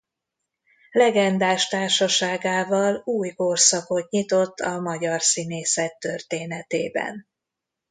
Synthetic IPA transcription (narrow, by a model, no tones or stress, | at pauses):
lɛɡɛnd̪aːʃt̪aːrʃɒʃaːɡaːvɒluːjkorsɒko̞t̪ɲit̪o̞t̪ʰːɒmɒɟɒrsineːsɛt̪ːørt̪eːnɛt̪eːbɛ̰n